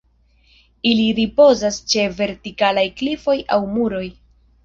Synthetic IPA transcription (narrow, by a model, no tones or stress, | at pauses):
iliɾipo̞zast͡ʃe̞ve̞ɾtikalajklifo̞jawmuɾo̞j